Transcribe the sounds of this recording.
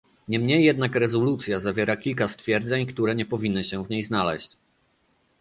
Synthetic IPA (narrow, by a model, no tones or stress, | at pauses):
ɲɛmɲejːɛd̪̚nakɾɛzɔlut̪sʲjazavʲjɛɾakʲilkast̪fʲjɛɾd̪zɛɲkt̪uɾɛɲɛpɔvʲinːɘɕɛvɲejznalɛ̰ɕt͡ɕ